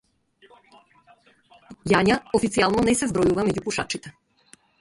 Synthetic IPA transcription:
jaɲaɔfit̪ialˠnɔnɛsɛzbɾɔjuvamɛɟupuʃa̰t͡ʃit̪ɛ

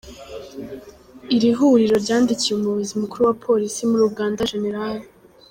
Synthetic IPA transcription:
iɾiɦuɾiɾo̞ɾɟaːndicieumuβuzimukuɾuwapʰo̞ɾisimuɾuɡaːndaʒe̞ne̞ɾali

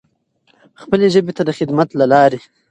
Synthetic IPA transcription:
xpəleʒəbet̪ad̪əxɪd̪mat̪lalɑɾe

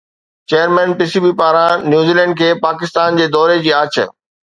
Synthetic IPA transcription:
t͡ɕeːjəɾmɛ̃ːnpɪsibipaːɾãnjuːziːlɛ̃ːɳɖ̚kʰeːpaːkɪst̪aːnd͡ʑeːd̪ɔːɾed͡ʑiːaːt͡ɕʰə̰

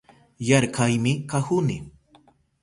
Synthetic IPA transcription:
jaɾkajmɪkahʊnɪ

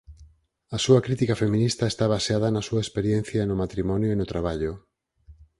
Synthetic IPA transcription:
ɐsuɐkɾit̪ikɐfemĩnist̪ɐest̪aβaseaðɐnɐsuaespeɾjen̟θjɐnʊmat̪ɾimɔnjoinot̪ɾaβ̞aʎʊ

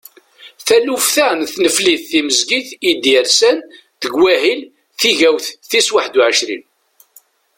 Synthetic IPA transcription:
θælufθænθnəfliθθiməzɡiθid̪iəɾsæn | ðəɡwæɦil | θiʝæwθθiswaħd̪uʕəʃɾḭn

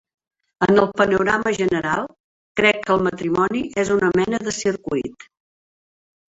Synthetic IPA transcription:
ənəlˠpənuɾaməʒənəɾalˠ | kɾɛkːəlˠmət̪ɾimɔniʔezunəmɛnəðəsiɾkuit̪

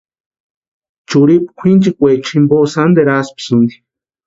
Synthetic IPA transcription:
t͡ʃuɾipkʷʰint͡ʃikʷet͡ʃʰĩmbosand̪eɾaspi̥sɨnd̪i̥

